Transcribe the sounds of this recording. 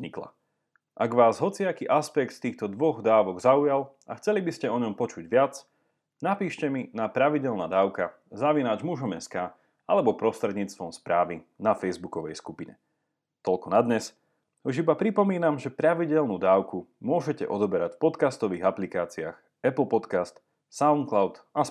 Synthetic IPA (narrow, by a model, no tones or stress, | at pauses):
zɲikla̰ | ʔaɡʋaːzɦɔt͡siakiʔaspɛkt̪t̪iːxt̪ɔd̪ʋɔɣd̪aːʋɔɡzaujal | a̰xt͡sɛlibiscɛɔɲɔmpɔt͡ʃuɟʋɪat͡s | napiːʃcɛminapɾaʋiɟɛlnaːd̪aːʊka | zaʋinaːd͡ʒmuʒɔmɛskaː | alɛbɔpɾɔst̪ɾɛd̪ɲiːt͡st̪ʋɔmspɾaːʋinafɛjzbukɔʋɛjskupiɲɛ̰ | t̪ɔʎkɔnad̪ɲɛs | uʒibapɾipɔmiːnamʒɛpɾaʋiɟɛlnud̪aːʊkumʊɔʒɛcɛ̰ʔɔd̪ɔbɛɾacfpɔt̪kast̪ɔʋiːɣaplikaːt͡sia̰ːx | ɛpl̩ˠpɔt̪kast̪ | saʊŋklaʊt̪ | a